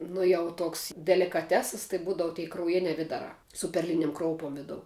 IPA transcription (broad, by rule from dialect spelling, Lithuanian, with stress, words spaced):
ˈnʊ jɛʊ ˈtoːks dʲɛlʲɪkɐˈtʲæːsɐs tɐɪ ˈbuːdɐʋʊ tʲɛɪ krɐʊˈjɪnʲæː ˈʋʲɪdɐrɑː sʊ pʲɛrʲˈlʲɪnʲɪm ˈkroːʊpoːm ˈʋʲɪdoːʊ